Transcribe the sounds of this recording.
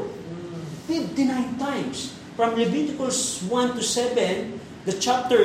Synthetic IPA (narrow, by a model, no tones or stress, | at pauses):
fɪft̪inãɪ̃nt̪ãj̃ms | fɹɔ̃mlɪbit̪ɪkəswʌ̃nt̪usɛvɛ̃n | d̪ət͡ʃap̚t̪ə